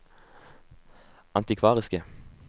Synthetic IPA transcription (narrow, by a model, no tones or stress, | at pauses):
ʔɑnt̪ɪkʰʋɑːʁɪskə